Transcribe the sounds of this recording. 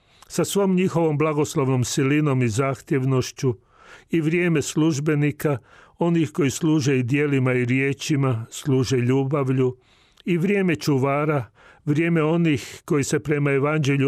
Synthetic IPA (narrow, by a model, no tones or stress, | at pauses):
sasʋo̞mɲixo̞ʋo̞mblˠaɡo̞slˠo̞ʋno̞msilino̞mizaːxt̪jeʋno̞ʃt͡ɕu | iʋɾjeːme̞sluʒbe̞nika | o̞nixko̞jisluːʒe̞id̪je̞limaiɾje̞ːt͡ʃimasluːʒeʎuːbaʋʎu | iʋɾje̞ːme̞t͡ʃuʋaːɾa | ʋɾje̞ːme̞o̞nixko̞jise̞pɾe̞maeʋand͡ʒe̞ʎu